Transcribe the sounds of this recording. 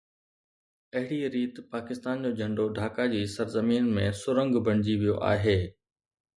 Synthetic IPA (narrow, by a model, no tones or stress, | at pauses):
ɐɦɪɽiɾiːt̪paːkɪst̪aːnd͡ʑoːd͡ʑʱɐ̃ɳɖoɖʱaːkad͡ʑiːsɐɾzəmiːnmẽsʊɾə̃ŋɡbʱɐ̃ɽ̃ɪd͡ʑiʋijoʔa̰ːɦeː